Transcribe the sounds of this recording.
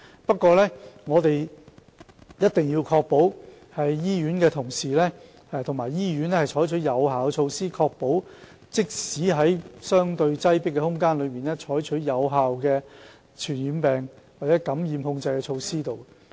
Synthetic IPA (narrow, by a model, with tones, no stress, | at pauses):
pɐ˥t̚kʷːɔː˧lɛː˥ŋɔː˨˧t̪e˨j | jɐ˥t̚t̪ɪ˨ŋjiː˧wkʰɔː˧k̚po˨˥w | hɐ˨jːiː˥ɥyː˨˥nkɛː˧t̪ʰʊ˨˩ŋsiː˨˩lɛː˥˨ | t̪ʰʊ˨˩maː˨˩jjiː˥jyː˨˥nlɛː˥hɐ˨jt͡ʃʰɔː˨˥jt͡ʃʰɵ˨˥jɐ˨˧whaː˨˩wkɛ˧t͡ʃʰo˧wsiː˥kʰɔː˧k̚po˨˥w | t͡sɪ˥k̚siː˨˥ɦɐ˨˥jsœː˥ŋt̪ɵ˧ɥt͡sɐ˥jpɪ˥kːɛː˧hʊ˥ŋkaː˥nlɵ˨˧ɥmiː˨nlɛː˥t͡ʃʰɔː˨˥jt͡ʃʰɵ˨˥jɐ˨˧wɦaː˨wkɛː˧ | t͡ʃʰyː˨˩njiː˨˧npɛː˨ŋwaː˨k̚t͡sɛː˨˥kɐ˨˥mjiː˨mhʊ˧ŋt͡sɐ˧jkɛ˧t͡ʃʰo˧wsiː˥t̪o˨w